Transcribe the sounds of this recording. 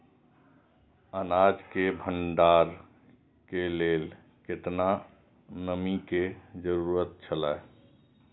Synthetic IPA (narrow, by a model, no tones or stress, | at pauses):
ənad͡ʒkebʱəɳɖaɾ | kelel | ket̪na | nəmiked͡ʒəɾuɾət̪̚t͡ʃʰəlae